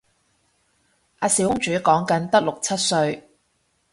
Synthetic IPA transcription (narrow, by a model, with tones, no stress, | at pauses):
ʔaː˧si˨whʊ˥ŋt͡ʃyː˨˥kɔː˨˥ŋkɐ˨˥nt̪ɐ˥k̚lʊ˨k̚t͡sʰɐ˥t̚sɵ˧ɥ